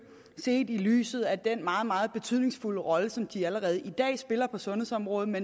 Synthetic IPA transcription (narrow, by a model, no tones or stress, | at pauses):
se̝̰ːd̥ily̰ːsð̞̩ˠæd̥enmɑ̈ːð̞̩ˠmɑ̈ːð̞̩ˠb̥e̝t͡sʰyð̞̰ˠne̝ŋsfuləʁɒ̽ləsɒ̽md̥iæləʁɛːð̞̩ˠid̥ɛ̰ːsb̥e̝lɐpʰɒ̽sɔ̽nɦhe̝ðˠsɒ̽mʁɔ̽ːð̩ˠmen